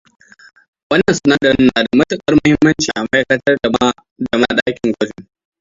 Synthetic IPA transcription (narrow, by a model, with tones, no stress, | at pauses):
wɐ˦nːɐ˨nsʊ˨na˦dɐ˨ɾɪ˦nːaː˨da˨mɐ˦tʊ˦˨kʼɐ˦rmʊ˦hɪ˦mːɐ˦nt͡ʃiː˨ʔa˨mɐ˦kɐ˦tɐ˦r | da˨mɐ˦ɗaː˦kʲɪ˨ŋɡʷɐ˦d͡ʒɪ˦˨ŋ